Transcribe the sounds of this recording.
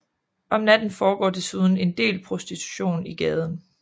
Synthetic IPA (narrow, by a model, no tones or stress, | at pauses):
ɒ̽mnæd̥n̩fɒːɡ̥ɒ̰ːd̥e̝suð̞ˠn̩e̝nd̥e̝̰ːlpʰʁosd̥it͡sʰu̥ɕo̝̰ːniɡ̥ɛːð̞ˠən̩